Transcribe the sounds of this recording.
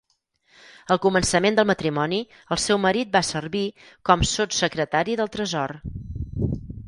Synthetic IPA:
əlˠkumənsəmend̪əlˠmət̪ɾimɔni | əlˠsɛwməɾit̪̚basərβi | kɔmsot̪səkɾət̪aɾiðəlˠt̪ɾəzɔr

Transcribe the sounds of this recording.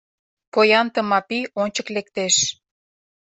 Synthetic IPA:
pojɑnt̪ə̆mɑpionʲt͡ɕəklek̚t̪eʃ

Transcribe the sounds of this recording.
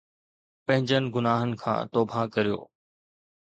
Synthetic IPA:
pɐ̃ɦɪ̃ɲd͡ʑənɪ̆ɡʊnaːɦənɪ̆kʰã̰ːt̪oːbãkɐɾijo̰ː

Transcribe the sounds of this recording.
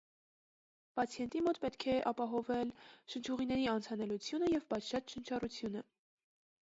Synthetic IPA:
pɑt͡sʰjɛnt̪imɔt̪pɛt̪kʰɛʔɑpɑɦɔvɛlʃənt͡ʃʰuʁinɛɾiɑnt͡sʰɑnɛlut͡sʰjunəjɛvbɑt͡ʃʰʃɑtʃənt͡ʃʰɑrut͡sʰjunə

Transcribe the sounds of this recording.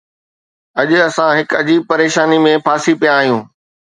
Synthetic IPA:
ɐʄʊɐsãɦɪkɐd͡ʑiːb̚pɐɾeːʃaːnimẽpʰaːsipijãːɦijũː

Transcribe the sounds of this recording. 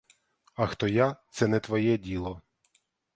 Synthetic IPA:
ɐxt̪ɔjat̪sɛnɛt̪ʋɔjɛdʲilˠɔ

